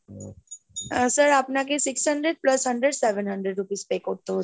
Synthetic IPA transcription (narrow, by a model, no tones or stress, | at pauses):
səɾapnakesiksɦəɳɖɾeɖ̚pləsɦəɳɖɾeɖseʋənɦəɳɖɾeɖɾupiːspekoʈ̚t̪oɦ